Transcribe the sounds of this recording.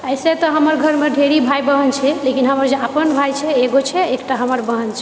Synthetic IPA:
əjset̪ɔɦəməɾɡʱəɾmeɖʱeɾibʱajbəɦənt͡ʃʰɛlekinɦəməɾd͡ʒeapənbʱajt͡ʃʰɛeɡot͡ʃʰɛekʈaɦəməɾbəɦənt͡ʃʰɛ

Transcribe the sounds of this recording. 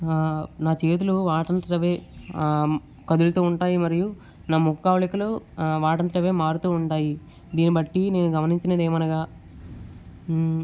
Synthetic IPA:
naːt͡ʃe̞ːt̪̬uluʋaːʈɐnt̪ɐɾɐʋeː | kɐd̪ulɐt̪oːuɳʈaːjimɐɾiju | naːmukkːaːʋlikɐluʋaːʈɐnt̪ɐɾɐʋeːmaːɾut̪uːuɳʈaːji | d̪iːnibɐʈːine̞ːnuɡɐmɐniɲt͡ʃinɐd̪eːmɐnɐɡaː

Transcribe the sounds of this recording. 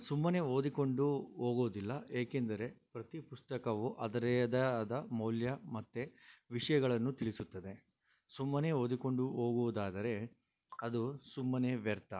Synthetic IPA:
sumːɐne̞o̞ːd̪iko̞ɳɖuɦoːɡoːd̪ilːɐe̞ːkend̪ɐɾe̞pɾɐt̪ipust̪ɐkɐʋuʔɐd̪ɐɾɛɐd̪ɐd̪ɐmɐwljɐmɐt̪ːeʋiʂɐjɐɡɐɭɐnːut̪iɭisut̪ːɐd̪e̞ | sumːɐneo̞ːd̪iko̞ɳɖuɦo̞ːɡuʋud̪aːd̪ɐɾe̞ | ɐd̪usumːɐne̞ʋɛɾt̪ɐ

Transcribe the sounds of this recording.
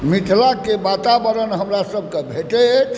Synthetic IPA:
mit̪ʰlakebat̪abəɾənɦəmɾasəbʱkebʱeʈe

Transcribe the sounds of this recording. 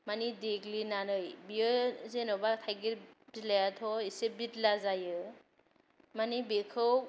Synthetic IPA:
manideɡlinanɯjbiɯzenɔbatʰajɡibilajatʰɔisebitlazajɯ | manibekʰɯw

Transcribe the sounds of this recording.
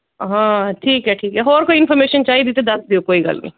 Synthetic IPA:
ɦãːʈʰiːkɦɛʈʰiːkɦɛɦoːɾkoɪnfʰɔɾmeːʃənt͡ʃaːɦid̪iːt̪ed̪ɐsd̪iokoːiɡa̰ːlnḭ

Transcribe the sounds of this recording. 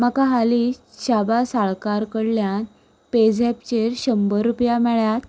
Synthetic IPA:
makaɦaliɕabasaɭkaɾkəɽljan | ped͡zɛp̚t͡ɕeɾɕəmbəɾːupjamɛɭjat̪

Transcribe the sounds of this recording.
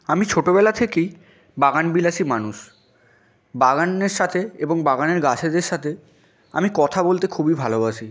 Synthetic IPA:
amit͡ɕʰoʈobɛlat̪ʰekej | baɡanbilaʃʰimanuʃ | baɡanːeɾʃat̪ʰeeboŋbaɡaneɾɡat͡ɕʰed̪eɾʃat̪ʰe | a̰mikɔt̪ʰabolt̪ekʰubibʱaloaʃʰi

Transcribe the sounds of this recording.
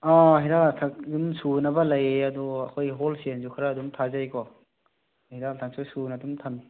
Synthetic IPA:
aɦidatʰak̚dumsunɐbɐlɐjeɐduɐkʰojɦolsenzukʰɾaːdumtʰazajkɔ | hidatʰaŋsusunadumtʰami

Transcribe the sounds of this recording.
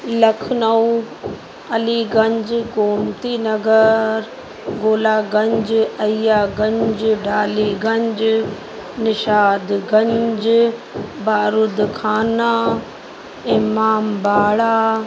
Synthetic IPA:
lɐkʰnɐu | ɐliɡɐ̃ɲd͡ʑɡoːmt̪inɐɡəɾ | ɡoːlaːɡɐ̃ɲd͡ʑɐijaːɡɐ̃ɲd͡ʑɖʱaːliɡɐ̃ɲd͡ʑ | nɪʃaːd̪ɡɐ̃ɲd͡ʑ | baːɾʊd̪kʰaːna | eːmaːmbaːɽaː

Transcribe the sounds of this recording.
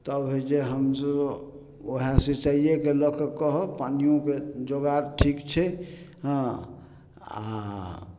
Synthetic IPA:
t̪əbed͡ʒeɦəmsə | oɦãset͡ʃaijekelɔkəkəɦɔpanijõked͡ʒoɡaɾʈʰikt͡ʃʰɛ | ɦã | a̰

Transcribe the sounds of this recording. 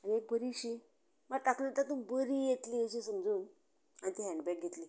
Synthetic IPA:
aniek̚bəɾiɕi | məɾt̪aklət̪at̪ubəɾijet̪lieɕ̬isəmd͡zuːn | anit̪iɦɛ̃ɳɖbɛk̚ɡʱet̪li

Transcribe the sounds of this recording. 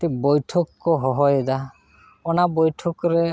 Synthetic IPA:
tibɔjʈʰɔkːɔɦɔɦɔjd̪a | ɔnabɔjʈʰɔkɾe

